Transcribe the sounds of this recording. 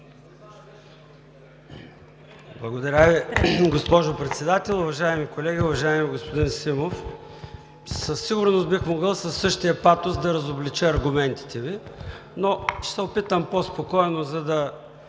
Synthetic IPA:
blˠɐɡod̪ɐɾʲaviɡospɔʒopɾɛt̪sɛd̪at̪ɛlˠʊvɐʒaɛmikolɛɡʲiʊvɐʒaɛmiɡospod̪insimof | səsːiɡʊɾnʊst̪bixmoɡəlˠsɐsːɤʃt̪ijɐpat̪ozd̪ɐɾɐzoblit͡ʃəɐɾɡʊmɛnt̪i̥t̪ɛvi | noʃsɛʊpit̪əmpospokɔɛnozɐd̪ɐ

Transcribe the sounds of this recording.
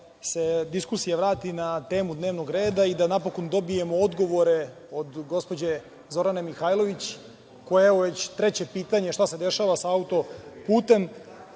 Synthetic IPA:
se̞d̪iskusijaʋɾaːt̪inat̪e̞ːmud̪ne̞ːʋno̞ɡɾeːd̪aid̪anapo̞ko̞nd̪o̞bije̞mood̪ɡo̞ʋo̞ɾe̞ | o̞d̪ɡo̞spo̞d͡ʑe̞ | zo̞ɾanamixajlˠo̞ʋit͡ɕ | kojeɛoʋe̞t͡ɕt̪ɾe̞t͡ɕe̞piːt̪aɲe̞ʃt̪ased̪e̞ʃaʋasaaut̪o̞puːt̪e̞m

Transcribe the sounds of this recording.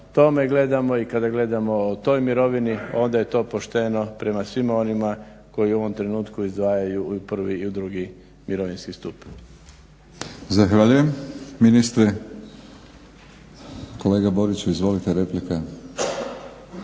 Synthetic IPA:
t̪o̞me̞ɡle̞d̪amo̞ikad̪aɡle̞d̪amo̞ot̪o̞jmiɾo̞ʋinio̞nd̪aje̞t̪o̞ːpo̞ʃt̪e̞no̞pɾe̞masʋimao̞nima | ko̞jiuoʋo̞mt̪ɾe̞nuːt̪kuizd̪ʋaːjajupr̩ʋiːud̪ɾuɡi | miɾo̞ʋinskist̪up | zaxʋaʎujemminist̪ɾe | koleːɡabo̞ɾit͡ʃuizʋo̞lit̪eɾeplika

